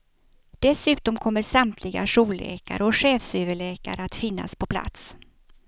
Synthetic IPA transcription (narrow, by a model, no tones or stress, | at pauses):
d̪̥ɛsʉ̟ːt̪ɔmkʰɔmːəʂamt̪ʰlɪɡa̰ʂuːlːḛːka̰ɾʔəɔɧɛːfsʏvəɭeːka̰ɾəat̪fɪnːa̰spʰɔpʰla̰t̪s